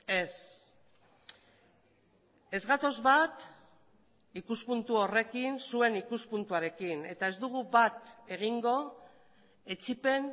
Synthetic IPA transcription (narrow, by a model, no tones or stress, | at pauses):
e̞s | e̞zɣat̪o̞zβat̪ | ikuspunt̪uore̞kinsue̞nikuspunt̪uaɾe̞kine̞t̪ae̞zd̪uɣ̞uβat̪e̞ɣ̞iŋɡo̞ | e̞t͡ʃipe̞n